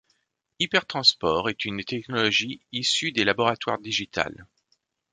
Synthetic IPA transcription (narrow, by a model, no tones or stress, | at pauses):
ipɛʁt̪χɑ̃spɔʁɛt̪ynt̪ɛknɔlɔʒiːsyd̪elabɔʁat̪waʁd̪iʒit̪ʰa̰l